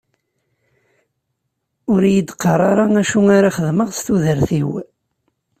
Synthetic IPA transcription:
ʊɾjəd̪qːəɾˤɑɾˤɑæʃuaɾaχəðməʁst̪uðəɾθiw

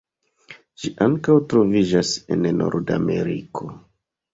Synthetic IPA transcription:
ʒiʔaŋkawtɾo̞vid͡ʒase̞̰nno̞̰ɾda̰me̞ɾikʰo̞

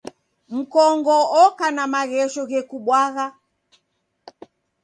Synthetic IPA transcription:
m̩kɔŋɡɔɔkanamaɣɛʃɔɣɛkuɓwaɣa

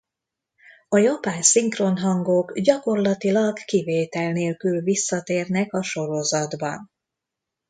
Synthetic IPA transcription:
ɒjɒpaːnsiŋkronɦɒŋɡoːɡɟɒko̞rlɒt̪ilɒɡkiveːt̪ɛlneːlkylvisːɒt̪eːrnɛkɒʃo̞ɾo̞zɒd̪bɒ̰n

